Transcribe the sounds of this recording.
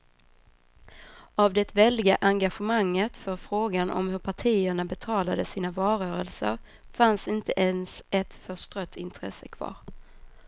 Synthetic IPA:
avd̪ɛt̪vɛld̪ɪɡaʔaŋɡaɧɛmaŋːət̪fœɾfɾoːɡanʔɔ̰mhɵɾpʰaʈʰiːəɳabɛt̪ʰɑːlad̪əsiːnavɑːɾœːɾəlsə̰ɾ | fansɪnt̪əʔɛnsɛt̪fœʂʈ̪ɾœt̪ʰːɪnt̪ʰɾɛ̰səkʰv̥ɑ̰ːɾ

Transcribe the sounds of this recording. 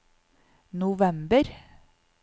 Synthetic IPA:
nʊʋɛmbəɾ

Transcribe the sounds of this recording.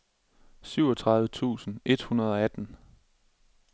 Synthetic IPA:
syʊɒ̽t͡sʰʁɑ̈ðˠʋət͡sʰṵːsn̩e̝d̥hunɐð̞ˠɒ̽æd̥n̩

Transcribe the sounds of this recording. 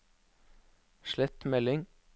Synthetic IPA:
ʃlɛt̪mɛlɪŋ

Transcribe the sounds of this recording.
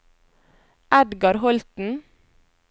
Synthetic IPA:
ʔæd̪ɡɑɾhɔlt̪n̩

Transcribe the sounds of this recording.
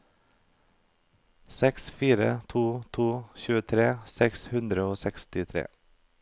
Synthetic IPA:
sɛksfiːɾə̰t̪ʰuːt̪ʰuːçʉːət̪ʰɾeːsɛkshʉnd̪ɾəoːsɛkst̪ɪt̪ʰɾḛː

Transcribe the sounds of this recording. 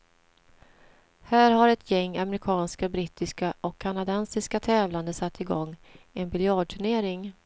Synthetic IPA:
hæːɾɦaɾɛt̪ʰjɛŋːamɛɾɪkʰɑːnskabɾɪt̪ːɪskaʔɔkʰːanad̪ɛnsɪskat̪ʰɛːvland̪əsat̪ʰːɪɡɔŋːɛnbɪljɑːɖ̚ʈʰɵɳeːɾɪŋ

